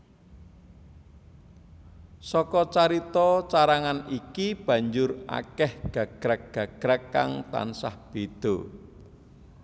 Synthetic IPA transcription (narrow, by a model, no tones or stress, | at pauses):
sɔkɔt͡ʃaɾit̪ɔt͡ʃaɾaŋanikib̥ä̤ɲd͡ʒʊra̰kɛhɡ̥a̤kɡ̥ɾak̚ɡ̥a̤ɡ̥ɾakːa̰ŋt̪a̰nsahb̥ed̪̥o̤